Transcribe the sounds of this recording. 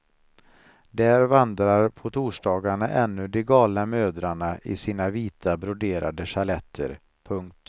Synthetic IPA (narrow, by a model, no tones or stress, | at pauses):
d̪æːɾvand̪ɾaɾpʰɔt̪ʰuːʂɖɑːɡaɳaʔɛnːɵd̪ɛɡɑːlnamøːd̪ɾaɳaʔɪ̰siːnaviːt̪ʰabɾʊd̪eːɾa̰d̪əʂalɛt̪ʰːə̰ɾ | pʰɵŋk̚t̪